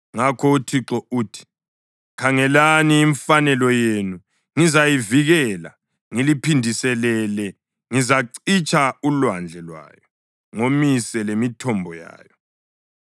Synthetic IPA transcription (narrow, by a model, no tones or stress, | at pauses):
ŋakʰɔutʰiǁɔuːtʰi̥ | kʰaŋɛlaniːɱfanɛlɔjenu | ŋizajiviɣɛla̰ | ŋilipʰindʱisɛlɛlɛ | ŋizaǀit͡ʃʰʼaulwand͡ɮʱɛlwa̰ːjɔ | ŋomisɛlemitʰɔmbʱɔja̰ːjɔ